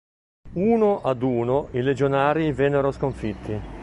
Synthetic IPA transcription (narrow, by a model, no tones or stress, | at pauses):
uːnoʔad̪uːnoiled͡ʒonaːɾivɛnːeɾoskoɱfit̪ʰːi